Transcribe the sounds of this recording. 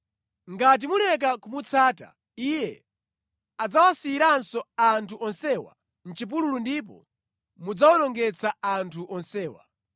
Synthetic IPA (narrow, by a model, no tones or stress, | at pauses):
ŋɡat̬imulɛk̬akumut͡sʰaːta̰ | ijɛ | ad͡zawasiːɾansɔantʰuʔɔnsɛwa̰ | n̩t͡ʃip̬ululundip̬ɔ̰ | mud͡zawɔnɔŋɡɛt͡sʰaantʰuʔɔnsɛːwa̰